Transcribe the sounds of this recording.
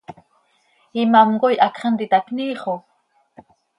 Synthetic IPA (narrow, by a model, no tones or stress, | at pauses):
imamɡojʔakχənd̪it̪akniːχo